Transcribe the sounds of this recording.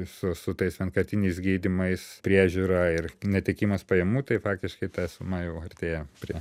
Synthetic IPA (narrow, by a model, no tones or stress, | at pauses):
sʊsʊt̪ɐɪsʋʲɛnkɐt̪ʲɪnʲɛɪsɡʲiːd̪ʲɪmɐɪspʲɾʲiɛʒʲuːɾɐːɪrnʲɛt̪ʲɛkʲiːmɐspɐjɛmuːt̪ɐɪfɑːkt̪ʲɪʃkɐɪt̪ɑːsʲʊmɑːjɛʊɐrʲt̪ʲeːjɛpʲɾʲiɛ